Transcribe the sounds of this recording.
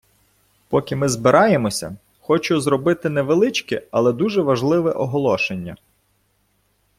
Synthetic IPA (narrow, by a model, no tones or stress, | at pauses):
pɔkʲɪmɪzbɪɾʔɑjemɔsʲɐ̰ | xɔt͡ʃʊzɾɔbɪt̪ɪnɛʋelˠɪt͡ʃkɪɐlˠɛd̪uʒɛʋɐʒlˠɪʋɛʔɔɦɔlˠɔʃenʲːɐ̰